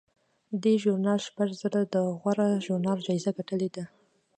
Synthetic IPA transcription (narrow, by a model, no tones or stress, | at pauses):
d̪eʒʊɾnɑlʃpaʒzəɾad̪əɣwaɾaʒoɾnɑld͡ʒɑizaɡaʈəled̪a